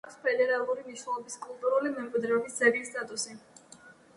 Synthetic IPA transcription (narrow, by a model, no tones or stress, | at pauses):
kspʰɛd̪ɛɾalˠuɾimiʃnɛlˠɔbiskʼulˠt̪ʼuɾulimɛmkʼwid̪ɾɛɔbisd̪sʰɛɾiːst̪ʼat̪ʼusi